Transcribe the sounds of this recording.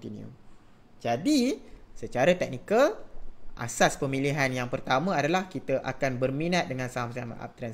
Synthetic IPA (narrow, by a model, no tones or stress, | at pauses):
t̪iniṵ | d͡ʒadisət͡ʃaɾat̪ɛk̚nikalʔa̰saspəmĩliɦanjaŋpərt̪amə̃adalahkit̪əʔa̰kanbərmĩnat̪̚dəŋãnsaamsama̰ʔa̰p̚t̪ɾɛn